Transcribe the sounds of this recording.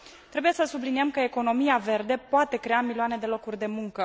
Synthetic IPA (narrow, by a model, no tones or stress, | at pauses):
t̪ɾe̞buje̞səsubliniemkəeko̞no̞miave̞rd̪e̞poat̪e̞kɾe̞amilioane̞d̪e̞lo̞kurʲd̪e̞muŋkə